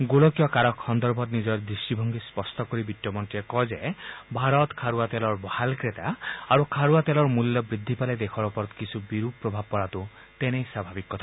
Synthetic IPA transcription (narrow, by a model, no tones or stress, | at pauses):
ɡolɔkjɔkaɾɔkʰhɔnd̪ɔɾbʱɔt̪nid͡ʒɔɾd̪ɾisʈibʱɔŋɡispɔɾsʈɔkɔɾibiʈːjɔmɔnʈiekɔd͡ʒebʱaɾɔt̪kʰaɾuat̪elɔɾbɔhalkɾet̪aːɾukʰaɾuat̪elɔɾmuljɔbɾid̪ʱːipaled̪ekʰɔɾɔpɔɾɔt̪kisʰubiɾupɾɔbʱab̚pɔɽat̪u | t̪enejsabʱabikːɔt̪ʰa